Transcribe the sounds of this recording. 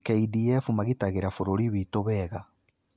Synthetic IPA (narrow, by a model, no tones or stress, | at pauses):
keidiefumaɣitaɣeɾafoɾoɾiβitoβɛɣa